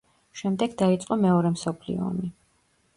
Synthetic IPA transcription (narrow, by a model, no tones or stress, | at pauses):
ʃɛmd̪ɛɡd̪ait̪sʼqʼɔmɛɔɾɛmsɔpʰlḭɔ̰ːmi